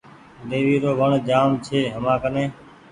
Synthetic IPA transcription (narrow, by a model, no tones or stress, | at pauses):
d̪eːʋiːɾoːʋəɳd͡ʒaːmt͡ʃʰeːɦəmãːkənẽː